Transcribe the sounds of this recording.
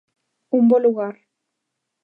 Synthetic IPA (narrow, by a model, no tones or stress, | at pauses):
umboluɣaɾ